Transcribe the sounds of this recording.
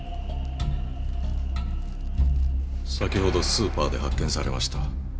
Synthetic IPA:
sakʲiho̞d̪o̞sɨːpaːd̪e̞hakːẽ̞ɰ̃saɾe̞̰maɕi̥t̪a

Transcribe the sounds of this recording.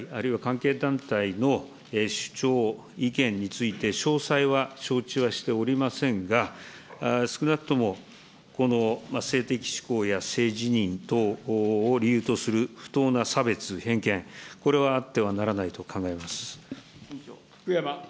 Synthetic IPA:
aɾɯ̟iβakãŋke̞ːd̪ãnt̪aino̞ | eɕɨ̥t͡ɕo̞ː | ikẽ̞ɲ̟ɲːit͡sɨit̪e̞ɕo̞ːsaiβaɕo̞ːt͡ɕiβaɕi̥t̪e̞oɾʲimasẽ̞ŋɡa | sɨ̥kɯ̟nakɯ̥t̪o̞mo̞ | ko̞no̞mase̞ːt̪e̞kʲi̥ɕi̥ko̞ːjase̞ːʑiɲ̟ĩnt̪o̞ː | ɾʲijɯ̟ːt̪o̞sɨɾɯ̟ɸɯ̟̥t̪o̞ːnasabe̞t͡sɨhẽ̞ŋkẽ̞ŋko̞ɾe̞βaːt̪ːe̞β̞anaɾanait̪o̞kʰãŋɡae̞masɨ̥ | kɯjama

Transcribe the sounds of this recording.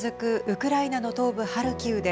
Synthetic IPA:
zɨkɯ̟ʔɯ̟kɯ̟ɾainano̞t̪o̞ːbɯ̟haɾɯ̟kʲɯːd̪e

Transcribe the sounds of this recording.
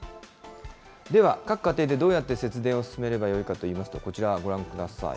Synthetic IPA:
d̪e̞βakakɯ̥kat̪e̞ːd̪e̞d̪o̞ːjat̪ːe̞se̞t͡sɨd̪ẽo̞sɨ̥sɨme̞ɾe̞bajo̞ikat̪o̞iːmasɨ̥t̪o̞̰ko̞t͡ɕiɾaɡo̞ɾãŋkɯ̟d̪asa̰ḭ

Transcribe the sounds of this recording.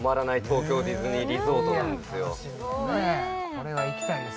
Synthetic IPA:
maɾanait̪ʰo̞ːkʲo̞ːɾʲizɨɲ̟iɾʲiso̞ːt̪onãnd̪e̞sɨjo | neoɾeβaikʲi̥t̪a

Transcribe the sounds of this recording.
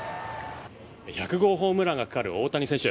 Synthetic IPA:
çakɯ̟ɡo̞ːɦo̞ːmɯ̟ɾaɡakḁkaɾɯ̟o̞ːt̪aɲ̟isẽ̞ɕɨ

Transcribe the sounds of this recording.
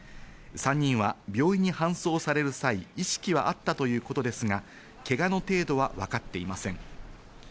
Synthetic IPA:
sãɲ̟ːĩɰ̃βabʲjo̞ːiɲ̟ihãɰ̃so̞ːsaɾe̞ɾɯ̟saiiɕi̥kʲiβaʔat̪ːat̪o̞jɯ̟ːko̞t̪o̞d̪e̞sɨŋa | ke̞ɡano̞t̪e̞ːd̪o̞βaβakat̪ːe̞imasẽ̞ŋ

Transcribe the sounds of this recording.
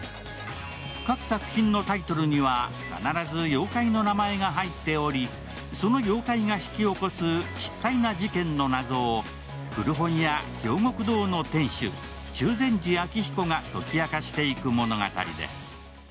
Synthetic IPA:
kakɯ̟̥sakɯ̟̥çĩnːo̞t̪ait̪o̞ɾɯ̟ɲ̟iβa | ka̰naɾazɨjo̞ːkaino̞namae̞ɡaɦait̪ːe̞o̞ɾʲi | so̞no̞jo̞ːkaiŋaçi̥kʲio̞ko̞sɨɕi̥k̪ːainad͡ʑikẽ̞nːo̞nazo̞ː | kɯ̟ɾɯ̟ɦõ̞ɰ̃jakʲo̞ːŋo̞kɯ̟d̪o̞ːno̞t̪ẽ̞ɰ̃ɕɨ̰ | t͡ɕɨːzẽ̞ɲ̟d͡ʑiakʲiçi̥ko̞ŋat̪o̞kʲiakaɕi̥t̪e̞ikɯ̟mo̞no̞ɡa̰t̪a̰ɾʲḭd̪ḛsɨ̥

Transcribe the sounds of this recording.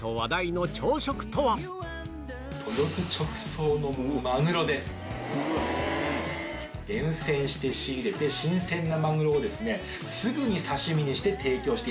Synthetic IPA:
t̪o̞βad̪aino̞t͡ɕo̞ːɕo̞kɯ̟̥t̪o̞βa | t̪ʰo̞josɨt͡ɕo̞kɯ̟̥so̞ːno̞moomaŋɯ̟ɾo̞d̪e̞sɨ̥ | ɡ̥ẽ̞ɰ̃sẽ̞ɰ̃ɕi̥t̪e̞ɕiːɾe̞t̪e̞ɕĩɰ̃sẽ̞nːamaŋɯ̟ɾo̞ːd̪e̞sɨne̞ | sɨɡɯ̟ɲ̟isaɕimʲiɲ̟iɕi̥t̪e̞t̪ʰe̞ːkʲo̞ːɕi̥t̪e

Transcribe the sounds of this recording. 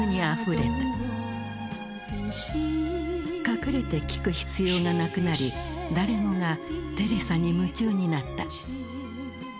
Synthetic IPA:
ɲ̟iaɸɯ̟ɾe̞̰t̪a | kakɯ̟ɾɯt̪e̞kʲi̥kɯ̟çi̥t͡sɨjo̞ːŋanakɯ̟naɾʲi | d̪aɾe̞moŋat̪e̞ɾe̞saɲ̟imɯ̟t͡ɕɨːɲ̟inat̪ːa

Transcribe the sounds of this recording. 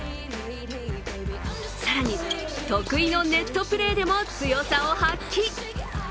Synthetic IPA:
saɾaɲ̟i | t̪o̞kɯ̟ino̞ne̞t̪ːo̞pɯ̟ɾe̞ːd̪e̞mo̞t͡sɨjo̞saohakʲːi

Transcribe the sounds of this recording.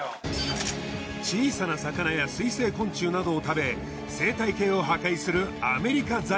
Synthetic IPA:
t͡ɕiːsanasakanajasɨise̞ːkõ̞ɲ̟t͡ɕɨːnad̪o̞ːt̪abe̞ | se̞ːt̪aike̞ːo̞ɦakaisɨɾɯ̟ame̞ɾʲikad͡za

